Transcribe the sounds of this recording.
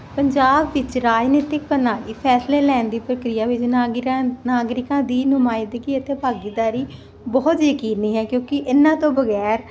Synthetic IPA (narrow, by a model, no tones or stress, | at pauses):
pəɲd͡ʒaːbʋɪt͡ʃɾaːd͡ʒneːt̪ɪk̚pənaːɽiːpʰɛːsleːlɛ̃ːnd̪iːpɾəkɾɪjaːʋɪt͡ʃː | naːɡɾɪkãːd̪iːnʊmaːɪd̪ɡiːət̪eːpaːɡiːd̪aːɾiː | bɔːt̪jəkiːniːɦɛːkjõːkɪʔɪnãːt̪õːbəɡɛːɾ